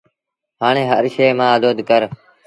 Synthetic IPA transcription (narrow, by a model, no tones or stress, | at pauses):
haːɳ̃eːɦəɾʃeːmãːəd̪oːd̪kəɾ